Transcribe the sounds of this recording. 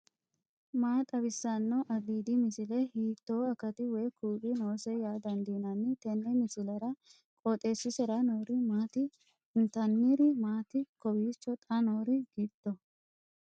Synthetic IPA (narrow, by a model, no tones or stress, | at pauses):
maːt̪ʼɐbɪsːanːɔʔɐɡ̪iːd̪ɪmɪsɪlɛhiːt̪ːoːɐkɐt̪ɪwɛjkuːbɪnoːsɛjaːd̪ɐnd̪iːnɐnːɪt̪ɛnːɛmɪsɪlɐɾɐ | kʼɔt̪ʼeːsːɪsɛɾɐnoːɾɪmaːt̪ɪ | ɪnt̪ɐnːiɾɪmaːt̪ɪkɔbiːt͡ʃːɔt̪ʼɐnoːɾɪɡ̥it̪ːɔ